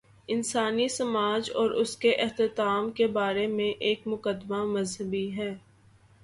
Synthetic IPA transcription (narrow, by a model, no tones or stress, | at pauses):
ɪnsaːnisɐmaːd͡ʒɔːɾʊskeʔɪɦt̪ɪt̪aːmkebaːɾemẽʔeːk̚mʊkəd̪mamɐzɦəbiɦɛː